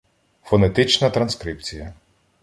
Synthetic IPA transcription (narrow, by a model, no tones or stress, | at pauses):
fɔnet̪ɪt͡ʃnɐt̪ɾɐnskɾip̚t͡sʲijɐ